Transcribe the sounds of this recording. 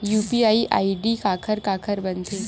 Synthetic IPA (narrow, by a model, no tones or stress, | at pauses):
juːpiaːiʔa̰ːiɖikaːkʰəɾkaːkʰəɾbɐnt̪ʰeː